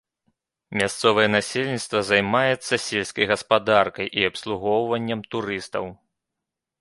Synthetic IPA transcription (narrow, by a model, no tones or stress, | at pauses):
mʲast̪sɔvɐjɛnasʲelʲnʲit̪st̪vɐzajmajɛt̪sːɐsʲelʲsʲkɐjɣɐspad̪arkɐjʔiɐpslˠuɣɔwvɐnʲːɐmt̪uɾɨst̪ɐw